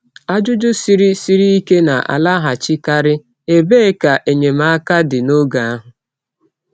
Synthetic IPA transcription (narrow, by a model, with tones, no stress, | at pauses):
a˦d͡ʒʊ˦d͡ʒʊ˦si˦ɾi˦si˦ɾi˦i˦ke˦na˨ʔa̰˨la˦ɦa˨t͡ʃɪ˦ka˦ɾɪ˦ | e˦be˦ka˨ʔe˨ɲe˨m̩˦a˦ka˦dɪ˨no˦ɡa˨a˦ɦʊ˨